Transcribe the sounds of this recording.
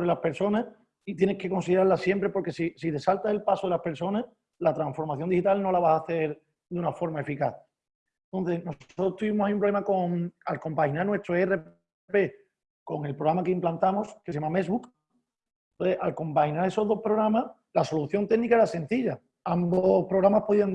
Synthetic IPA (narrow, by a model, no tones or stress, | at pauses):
ɾelaspe̞ɾso̞na | it̪je̞nehke̞ko̞nsiðeɾaɾlasje̞mpɾe̞po̞ɾke̞sisiðe̞salt̪ase̞lpasoelape̞ɾso̞na | lat̪ɾaɱsfo̞ɾmaθjo̞nd̪ihit̪alno̞laβasaθe̞ɾ | d̪unafo̞ɾmae̞fikaθ | ent̪o̞n̟θe̞sno̞sot̪ɾost̪uβimohaiumpɾole̞mako̞ŋalko̞mpahinaɾnwe̞st̪ɾoere | pe̞ | ko̞ŋe̞lpɾoɣɾamakeimplant̪amoskes̬amame̞sβuk̪ | t̪onθeʔalko̞mpahinaɾe̞so̞ðo̞hpɾo̞ɣɾama | laso̞luθjo̞nt̪e̞ɣnikaeɾase̞n̟θiʎa | ambopɾoɣɾamahpoðiand̪